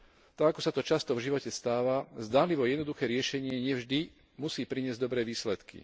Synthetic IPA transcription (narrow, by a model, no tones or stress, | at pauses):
t̪aɡakɔsat̪ɔt͡ʃast̪ɔvʒiʋɔcɛst̪aːʋazd̪aːnliʋɔjɛd̪nɔd̪uxɛːɾɪɛʃɛɲɪɛɲɪɛvʒd̪i | musiːpɾiɲɪɛzɟd̪ɔbɾɛːʋiːslɛt̪kḭ